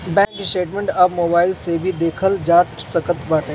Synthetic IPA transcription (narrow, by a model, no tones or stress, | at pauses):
bɛ̃ːŋkɪsʈeːʈmẽɳʈabmoːbaːɪlsebʱid̪eːkʰəld͡ʒaːʈsəkət̪baːʈẽː